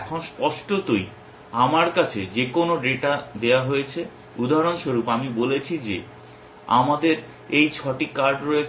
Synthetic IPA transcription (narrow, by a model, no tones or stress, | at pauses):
ɛkʰonspɔʃʈot̪oj | amaɾkat͡ɕʰed͡ʑekonoɖeʈad̪eoaɦojet͡ɕʰe | ud̪ʱaɦaɾonʃoɾupamibolet͡ɕʰid͡ʑe | a̰mad̪eɾ | ejt͡ɕʰɔʈikaɾɖɾojet͡ɕʰ